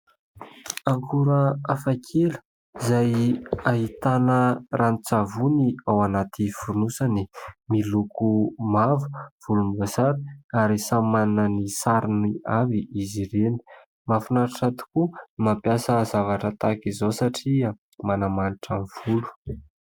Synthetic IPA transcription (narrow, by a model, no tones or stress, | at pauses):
aŋkʰuɾəafakʰel̥ | izajaɦit̪anərʔanit͡savuniawanat̪ʰifunusanimilukumavu̥v̥ulumbasaɾaɾisamannənisaɾiniaviʔiziɾeni̥ | mafunaɾiʈ͡ʂat̪u̥kumampjasəzavaʈ͡ʂət̪akizosaʈ͡ʂia | manamaniʈ͡ʂanv̥ulu̥